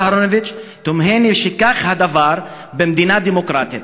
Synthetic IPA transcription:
haɾonovit͡ʃt̪omɦeniʃikaχhad̪avaɾ | bemd̪inad̪emokɾat̪it̪

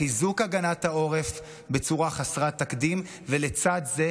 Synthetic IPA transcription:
izukaɡanathao̞ʁef | bet͡suʁaχasʁat̪akdim | velet͡sad̪ze

